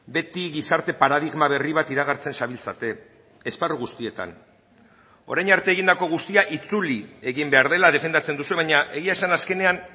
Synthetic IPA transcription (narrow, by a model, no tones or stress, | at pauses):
be̞t̪iɣisaɾt̪e̞paɾaðiɣmaβ̞e̞riβat̪iɾaɣ̞aɾt͡se̞nsaβilt͡sat̪e̞ː | sparuɣust̪ie̞t̪a̰n | o̞̰ɾajnaɾt̪eːɣ̞ind̪ako̞ɣ̞ust̪iaʔit͡sulie̞ɣimbe̞aɾð̞e̞lað̞e̞fe̞nd̪at͡se̞nd̪usue̞βaɲaʔe̞ɣiaesanaske̞nean